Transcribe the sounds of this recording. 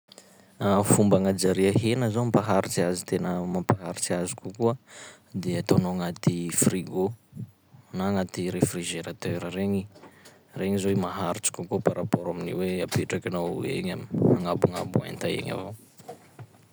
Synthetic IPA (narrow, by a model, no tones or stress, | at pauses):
afumbaŋad͡ʒaɾiəɦenəzoampaɦaɾit͡siazit̪enəmampaɦaɾit͡siazikukuə | d̪eat̪onoŋat̪ifriɡo | naŋat̪iɾefriʒeɾat̪øɾreɲi | reŋizoimaɦaɾit͡ʃi̥kukupaɾapoɾaminiweapeʈ͡ʂakinowḛɲamiaŋabuŋa̰bua̰nt̪aḛɲa̰vo